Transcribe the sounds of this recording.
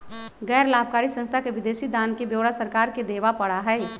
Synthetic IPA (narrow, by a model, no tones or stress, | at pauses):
ɡɛːɾlaːb̚kaːɾisə̃nst̪ʰakeʋɪd̪eːsid̪aːnkebjoːɽasəɾkaːɾked̪eːʋapɐɽaɦɛ